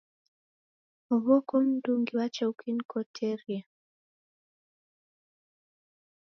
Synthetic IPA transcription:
ɔβɔkɔm̩duŋɡiwat͡ʃɛukʰinkʰɔtʰɛɾia

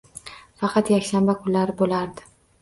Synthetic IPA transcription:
fɑqʰɑt̪jakʲʃambakʰʊnlaɾɪbolaɾd̪ɪ̥

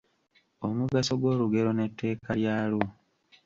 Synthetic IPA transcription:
omuɡaso̞ɡwo̞ːɾuɡe̞ɾo̞ne̞tʰːe̞ːkʰajaːlu

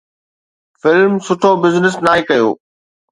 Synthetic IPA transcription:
fɪlmsʊʈʰobɪznɪsnaːɦekɐjo̰ː

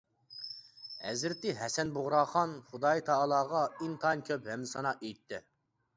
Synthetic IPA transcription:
hɛ̰zɾɪt̪ːɪɦɛsɛnboʁɾɑːχɑnχʊd̪ɑjt̪ʰɑlˠɑːʁɑint̪ʰɑnkʲʰøphɛmːɪsɑnɑʔejt̪ʰːɪ

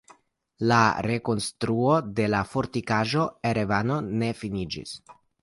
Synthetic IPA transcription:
laɾe̞ko̞nstɾuo̞de̞lafo̞ɾtikaʒo̞eɾevano̞ne̞finid͡ʒḭs

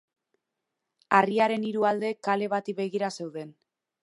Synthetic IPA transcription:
ariaɾe̞niɾuald̪e̞kːale̞βat̪iβe̞ɣiɾase̞wðe̞n

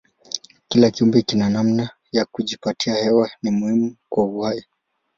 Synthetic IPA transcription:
kilakiumbɛkinanamna | jakuʄipatʰiahɛwanimuhimukwauwai

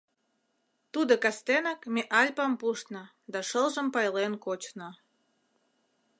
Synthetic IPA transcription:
t̪ud̪okɑst̪enɑkmeʔɑlʲpɑmpuʃt̪nə | d̪ɑʃəlʒəmpɑjlenkot͡ɕno

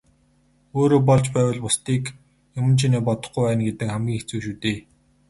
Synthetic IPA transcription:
oːɾoːp̬ɔɮt͡ɕpæːwə̆ɮpʊst̪iːk | jʊmə̆nt͡ɕʰineːpɔt̪ɞ̆χɡujwæːnɡet̪ɘ̆kχæmɡʲiːŋxet͡suːʃuːt̪eː

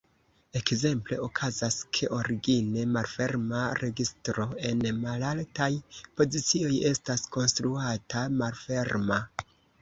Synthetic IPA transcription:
e̞kze̞mple̞okʰazaskʰe̞ʔo̞ɾiɡine̞malfe̞ɾmaɾe̞ɡistɾo̞e̞nmalaltajpo̞zit͡sio̞je̞stasko̞nstɾuatamalfe̞ɾma

